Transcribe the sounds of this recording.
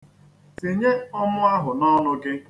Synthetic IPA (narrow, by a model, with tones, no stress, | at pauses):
si˨ɲe˦ɔ˦mʊ˦a˦ɦʊ˨nɔ˦nʊ˦ɡe˦